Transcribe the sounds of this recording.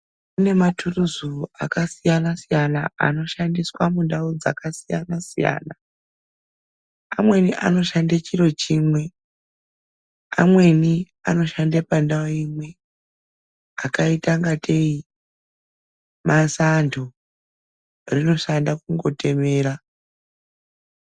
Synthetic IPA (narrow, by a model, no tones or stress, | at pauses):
une̞matʰuruzua̰kasijanasijanaa̰no̞ʃandiswamundaud͡za̰kasija̰nasija̰ːna | amwe̞niʔa̰no̞ʃandet͡ʃiɾo̞t͡ʃiːmwe̞ | a̰mwe̞ni | ano̞ʃandepandaoimwe̞ | akaitaŋɡatʰe̞i | mʔasantʰo | rino̞ʃandakuŋɡo̞te̞me̞ːɾa